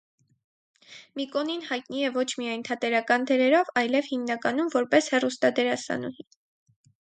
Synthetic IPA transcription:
mikɔninhɑjt̪niɛvɔt͡ʃʰmiɑjnt̪ʰɑt̪ɛɾɑkɑnd̪ɛɾɛɾɔvɑjlɛvhimnɑkɑnumvɔɾpɛshɛrust̪ɑd̪ɛɾɑsɑ̰nṵhi

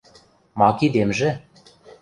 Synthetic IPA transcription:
mɑkid̪emʒĕ

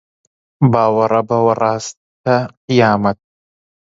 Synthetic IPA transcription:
baːwɑɾˤɑbawɑɾˤɑːs | t̪aqɪjaːmat̪̚

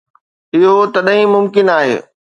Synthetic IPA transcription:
ɪɦot̪ɐɗĩmʊmkɪnaːɦḛː

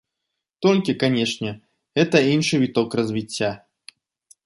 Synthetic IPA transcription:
t̪olʲkʲɪkanʲeʂnʲɛ | ɛt̪əinʂɨvʲɪt̪okrəzvʲɪt͡sʲːa

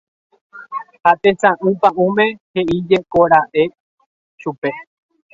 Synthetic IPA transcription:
hat̪ẽt͡sãʔɨ̃pãʔũmẽ̞heʔid͡ʒekoɾaʔe̞ | ʃupe̞

